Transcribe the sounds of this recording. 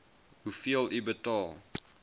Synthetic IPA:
hufiəlibətɔlˠ

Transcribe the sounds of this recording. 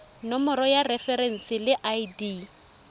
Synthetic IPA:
nɔmɔɾɔjarɛfɛɾɛn̩sɪlɪʔajdi

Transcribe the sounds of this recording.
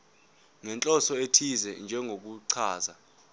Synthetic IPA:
ŋɛnt͡ɬʼɔsɔetʰizɛnd͡ʒʱɛŋɡʱok̬uǀʰaːza

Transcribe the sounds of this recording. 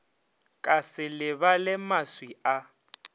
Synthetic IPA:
kʼasɪlɪβalɪmaswia

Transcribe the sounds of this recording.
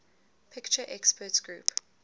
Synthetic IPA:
pʰɪkt͡ʃəʔɛkspʰətɡ̥ɹuːp

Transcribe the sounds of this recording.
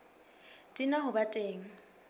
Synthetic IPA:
tʼinaɦʊbatʼeːŋ̩

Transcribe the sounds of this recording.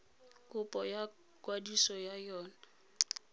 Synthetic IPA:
kʼʊpʼɔja | kʼwadisɔjajɔːna

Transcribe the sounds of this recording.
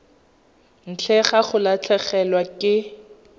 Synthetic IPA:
n̩t͡ɬʰɛχaχʊlat͡ɬʰɛχɛlwakʼɪ

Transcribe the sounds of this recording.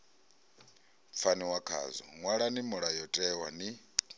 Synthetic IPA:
p̪fʰaniwakʰa̰zɔ̰ŋwaɺanimuɺajɔtʼɛwani

